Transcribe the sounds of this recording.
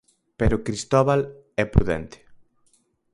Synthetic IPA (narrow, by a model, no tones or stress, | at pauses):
peɾʊkɾist̪ɔβal | ɛpɾṵðɛ̰nt̪ɪ̥